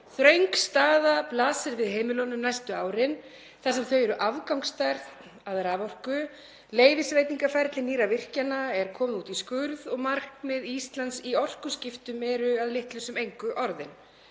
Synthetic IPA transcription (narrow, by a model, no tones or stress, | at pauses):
θɾœɥŋkst̪aːðaplaːsɪɾvɪðɦeːjmɪlɔnʏmnajst̪ʏaːwɾɪn | θasɛmθœɥjɛɾʏʔavkawŋkst̪ajɾð | aðɛɾavɔr̥kʏ | leːjvɪsvejt̪niŋkafaɾt̪lɪniːɾavɪr̥canaɛɾ̥kʰɔːmðuːt̪iskʏɾðɔɣmar̥kmɪðist̪lant̪siɔr̥kʏscɪft̪ʏmɛɾʏaðlɪht̪lʏsʏmejŋkʏʔɔɾðɪn